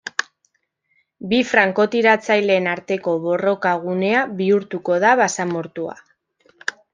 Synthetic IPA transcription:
bifɾaŋko̞t̪iɾat͡sajle̞ːnaɾt̪e̞ko̞βo̞ro̞kaɣ̞une̞aβiuɾt̪uko̞ðaβasamoɾt̪ua̰

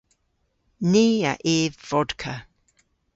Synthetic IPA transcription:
neːə̰ʔeːvv̥ɔdkʰə

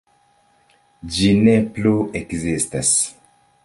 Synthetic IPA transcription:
d͡ʒinepluekzistas

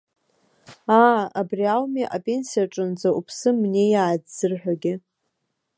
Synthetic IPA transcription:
aːabriawmiʔapʼe̞nsiaʈ͡ʂʼɨnd͡zaupʰsɨmne̞jaːdzɨrħᶣaɡʲɪ

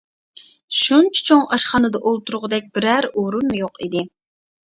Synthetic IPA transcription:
ʃunt͡ʃʰɛ̥t͡ʃʰoŋɑʃχɑnɨd̪ɑʔolˠt̪uɾʊʁəd̪ɛk̚ʲb̥ɪɾæɾoɾumujoqid̪ɪ

